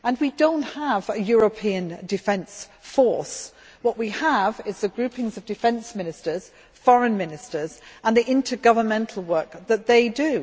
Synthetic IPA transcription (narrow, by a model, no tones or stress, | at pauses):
ə̃nwidõʊ̃nthəvɨjɔɹəpʰiɨ̃ndɨfɛ̃nsfɔɹs | wʌʔwiəvɪzðɨɡɹʉˑpɪ̃ŋzʌvdɨfɛ̃nsmɪ̃nɪstə˞z̥ | fɔɹə̃nmɪ̃nɪstə˞zə̃nðiʔɪ̃ntʰəɡʌvəmɛ̃ntʰˡl̩ˠwɜ˞k̚ðət̪̚ðeɪdɨ